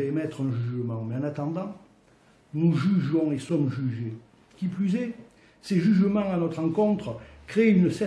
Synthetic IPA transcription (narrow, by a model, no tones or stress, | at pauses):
emɛt̪χɛ̃ʒyyʒəmɑ̃meɑ̃nat̪ɑ̃d̪ɑ̃ | nuʒyʒɔ̃esɔmʒyʒe | kʲiplyzɛ | seʒyʒəmɑ̃anɔt̪χʁɑ̃kɔ̃t̪χəkχeeynəsɛ